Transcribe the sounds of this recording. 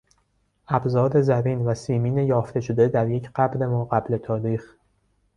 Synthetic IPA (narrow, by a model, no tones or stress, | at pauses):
ʔæbzɒːɾe̞zæmiːnvæsiːmiːne̞jɒːft̪e̞ʃod̪e̞d̪æɾjecʰɢæbɾe̞mɒːɢæble̞t̪ʰɒːɾiːx